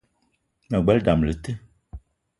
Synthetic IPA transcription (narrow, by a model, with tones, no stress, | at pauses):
mã˨ɡ͡bɛ˨˦lda˨m˨le˨t̪e˦